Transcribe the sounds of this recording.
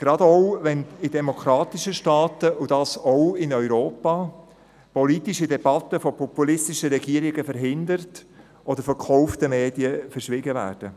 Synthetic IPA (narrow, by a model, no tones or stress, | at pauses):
ɡ̥ɾɑd̪ɔʊʋɛnɪdɛmɔkʰɾɑːt̪iʃəʃtɑːtəud̥ɑːsɔʊɪnœʏɾoːpɑː | pɔlitiʃidɛb̥ɑt̪ːəfɔpʰɔpulɪst̪iʃəɾɛɡ̥iːəɾɪɡəfəɾɦɪnd̪əɾt | ʔɔd̥̪əɾfɔɾkʰɔʊftəmeːdiəfəɾʃʋɪɡəvæ̰ːɾd̥ə